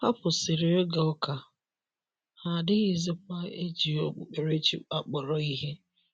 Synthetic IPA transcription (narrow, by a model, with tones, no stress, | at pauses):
ha˦pʊ˨sɪ˨ɾɪ˨ɾɪ˦ɡa˨ɔ˦ka˨ | ha˨dɪ˦ɣi˨zɪ˦k̚ʷa˦e˦d͡ʒi˨ɔ˦k͡pʊ̰˨k͡pe˨ɾe˦t͡ʃḭ˦a˨k͡pɔ˨ɾɔ˨i˦ɦe˦